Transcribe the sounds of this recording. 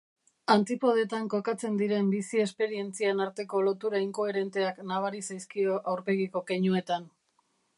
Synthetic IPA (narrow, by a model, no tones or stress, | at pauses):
ant̪ipo̞ð̞e̞t̪aŋko̞kat͡se̞nd̪iɾe̞mbisie̞spe̞ɾie̞nt͡sianaɾt̪e̞ko̞lo̞t̪uɾaiŋko̞eɾe̞nt̪e̞aknaβ̞aɾisajskio̞ʔawɾpe̞ɣiko̞keɲue̞t̪an